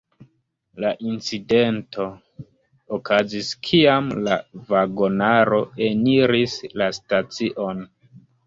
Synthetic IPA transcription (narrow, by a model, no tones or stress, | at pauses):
laʔint͡side̞ntʰo̞ | okʰaziskʰiamlavaɡo̞naɾo̞e̞niɾislastat͡siʔo̞n